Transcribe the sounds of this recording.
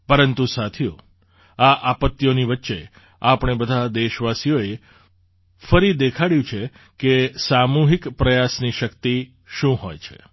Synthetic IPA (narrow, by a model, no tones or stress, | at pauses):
pəɾənt̪usat̪ʰijo̰ | aʔapət̪ːjoniʋətːʃe | apɳ̃ebəd̪ʱad̪eʃʋasijoe | fəɾid̪ekʰaɽjũt͡ʃʰe | kesamuɦikpɾəjasniʃəkt̪i | ʃũɦojt͡ʃʰḛ